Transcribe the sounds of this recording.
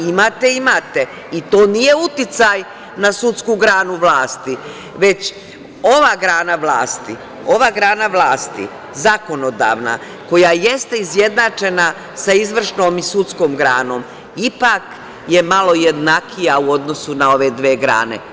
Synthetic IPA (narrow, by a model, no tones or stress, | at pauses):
imaːt̪eimat̪e̞ | it̪o̞ːnije̞ut̪it̪saj | nasut̪skuɡɾaːnuʋlaːst̪i | ʋe̞t͡ɕ | o̞ʋaːɡɾaːnaʋlaːst̪i | o̞ʋaːɡɾaːnaʋlaːst̪ḭ | zako̞nod̪a̰ːʋna̰ | ko̞jaje̞st̪eizje̞d̪nat͡ʃe̞na | saizʋr̩ʃnoːmisut̪sko̞ːmɡɾaːno̞ːm | ipak | je̞malo̞je̞d̪nakijauo̞d̪no̞sunao̞ʋe̞d̪ʋeːɡɾa̰ːnḛ